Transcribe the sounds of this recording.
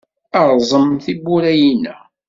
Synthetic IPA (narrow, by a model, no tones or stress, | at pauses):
ɑɾˤzˤəmθibuɾæjinæ